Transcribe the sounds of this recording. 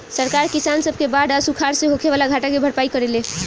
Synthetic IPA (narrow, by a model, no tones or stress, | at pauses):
səɾkaɾkisansəb̚ʱkebaɖəsukʰaɾseɦokʰeβalaɡʱaʈakebʱəɽpaikəɾele